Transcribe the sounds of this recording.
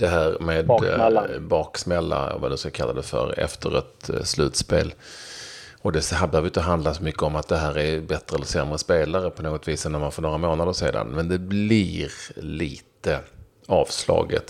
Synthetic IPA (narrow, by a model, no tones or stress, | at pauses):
d̪̥ɛɦæːɾmeːd̪ | bɑːksmɛlːa̰va̰d̪ɵskakʰalːad̪ɛfœ̰ɾɛ̰ft̪ʰəɾɛ̰t̪slʉ̟ːt̪spḛːl | ɔd̪ɛshabɛhœːvəjʏnt̪əɦand̪lasɔmʏkːəɔmat̪̚d̪ɛɦæːɾɛɾbɛt̪ɾəɛləɾsɛmɾəspeːlaɾəpʰɔnoːɡɔt̪viːsɛnːæɾmanfɔːɾnoːɾamoːnad̪əʂḛːd̪a̰nmɛnd̪ɛblɪɾliːt̪ə | ɑːvslɑ̰ːɡə̰t̪